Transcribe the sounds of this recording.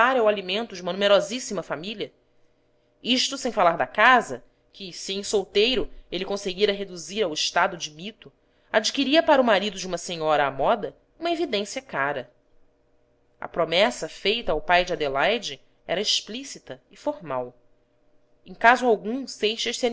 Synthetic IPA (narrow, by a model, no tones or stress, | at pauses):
aɾɐwalimẽnt̪ʊd͡ʒɪumɐnumeɾɔzisimɐfamiliɐ | iʃt̪usẽj̃falaɾd̪ɐkazɐ | kʰɪsiẽj̃sowt̪ejɾʊelɪkõseɡiɾɐɦed̪uziɾawɪʃt̪ad̪ʊd͡ʒɪmit̪ʊ | ad͡ʒikiɾiɐpaɾɐumaɾid̪ʊd͡ʒiũmɐsẽɲɔɾɐːmɔd̪ɐ | ũmɐevid̪ẽsiɐkaɾɐ | ɐ̰pɾomɛsɐfejt̪ɐawpajd͡ʒɪad̪elajd͡ʒɪ | ɛ̰ɾɐeʃplisit̪ɐɪfoɾmaw | ẽj̃kazʊawɡũsejʃɐʃsian